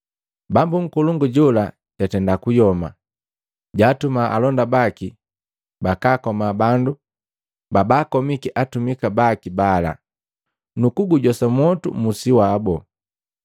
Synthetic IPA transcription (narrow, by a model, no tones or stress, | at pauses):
bambuŋ̩kuluŋɡuɟɔla | ɟ̥atɛndakujɔma | ɟaːtumaʔalɔndabaki | bakaːkɔmabandu | babaːkɔmikiʔatumikabakibala̰ | nukuɡuɟɔsamwɔtṵmusiwaːbɔ